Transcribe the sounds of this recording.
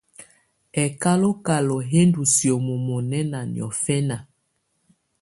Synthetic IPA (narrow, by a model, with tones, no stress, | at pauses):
ɛ˨ka˦lo˦ka˨lɔ˨ɦe˦ndu˨sjɔ˨mo˨mɔ˨nɛ˦na˨nj̰ɔ̰˨fɛ˦na˨